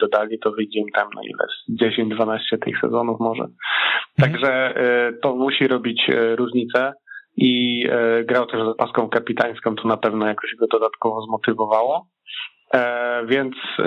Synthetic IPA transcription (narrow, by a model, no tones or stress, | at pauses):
d̪ɔd̪alʲit̪ɔvɘd͡ʑɛmt̪amna̰ḭlɛ̰zd͡ʑeɕeɲd͡ʑd̪vanaɕt͡ɕɛt̪ɘ̰xsɛ̰zɔnufmɔʐɛ̰t̪aɡʐɛt̪ɔmuɕiɾɔbʲit͡ɕɾuʐɲit̪sɛi | ɡɾawt̪ɛʐzapaskɔ̃w̃kapʲit̪aj̃skɔ̃wt̪ɔnapɛvnɔjakɔɕɛɡɔd̪ɔd̪at̪kɔvɔzmɔt̪ɘvɔvawɔ | vʲjɛnt̪s